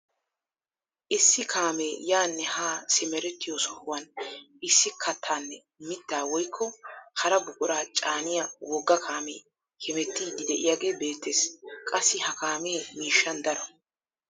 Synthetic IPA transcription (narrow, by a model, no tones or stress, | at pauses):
ʔɪsːɪkʰaːmejaːnːɛhaːsɪmɛɾɛt̪ːɪjoːsɔhʊwɐn | ɪsːɪkʰːɐt̪ʰːaːnːɛ | mɪt̪ːaːwɔjkʰːɔhɐɾɐbʊkʼʊɾaːt͡ʃʼaːnɪjawɔɡːɐkʰaːmeː | hɛmɛt̪ːiːd̪ɪd̪ɛʔɪ̰jaːɡe̞ːbe̞ːt̪ːeːskʼɐsːɪhɐkaːmeːmiːʃːɐnd̪ɐɾɔ